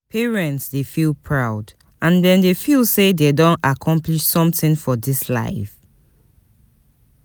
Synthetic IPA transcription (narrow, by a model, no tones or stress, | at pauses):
pʰɛɹɛ̃ntsdefilˠpʰɹaʊd | ãndɛ̃ndefilˠsededõnakʰɔ̃mpliʃsɔ̃mθɪ̃nfɔdisla̰ɪf